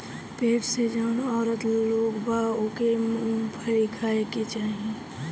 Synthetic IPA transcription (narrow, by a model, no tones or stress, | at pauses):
peːʈsed͡ʒaːnɔːɾət̪loːɡbʱaokepʰəɾikʰaːeket͡ʃaːɦi